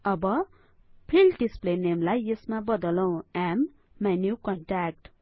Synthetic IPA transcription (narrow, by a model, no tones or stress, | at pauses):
ʌbʌ | pʰilɖisplenemlajesmabʌd̪ʌlʌw̃amː | anjuwkʌɳʈrak̚ʈ